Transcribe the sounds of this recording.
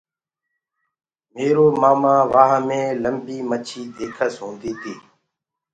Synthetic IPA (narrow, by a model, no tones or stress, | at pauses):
meːɾoːmaːmãːʋaːɦãːmẽːləmbiːmət͡ʃʰiːd̪eːkʰəsɦõːnd̪iːt̪ʰiː